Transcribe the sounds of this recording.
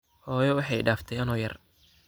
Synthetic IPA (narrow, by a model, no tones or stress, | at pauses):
hɔːjɔwɑħɑjɖaːft̪ʰɛjɐnɔːjɐr